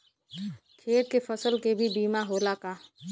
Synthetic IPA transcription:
kʰeːt̪̚kepʰəsəlkebʱibiːmaɦolakaː

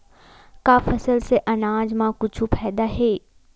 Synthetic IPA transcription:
kaːfɐsəlseʔɐnaːd͡ʒmãkʊt͡ʃʰupʰɛːd̪aɦeː

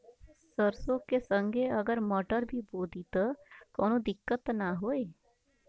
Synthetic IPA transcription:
səɾsõkesə̃ŋɡʱeəɡəɾmɔːʈəɾbʱiboːd̪it̪kɔːnõd̪ɪkːət̪naɦoːeː

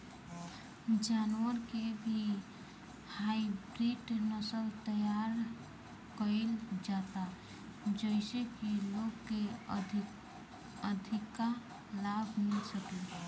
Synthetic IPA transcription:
d͡ʒanwəɾkebʱi | haibɾiʈnəsəlt̪əjaɾ | kəɪld͡ʒat̪a | d͡ʒəɪsekeloɡke | əd̪ʱɪkːa | labʱmɪlsəke

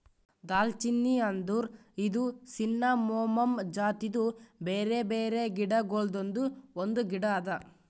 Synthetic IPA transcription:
d̪aːlt͡ʃinːiɐnd̪uːɾid̪usinːamɔːmɐmd͡ʒaːt̪id̪ubeːɾe̞beːɾe̞ɡiɽɐɡoɭd̪ond̪uond̪uɡiɽɐːd̪ɐ

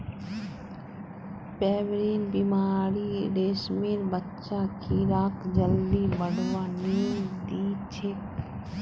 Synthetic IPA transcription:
pɛːʋɾiːnbimaːɾiɾeːsmeɾbətːʃakʰiɾaːkd͡ʒəld̪ibəɽʋaniːd̪iːt͡ʃʰe

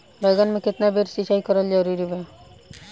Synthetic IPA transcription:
bɛɡanmeket̪nabeɾsiʃajkɔɾald͡ʒaɾiɾibe

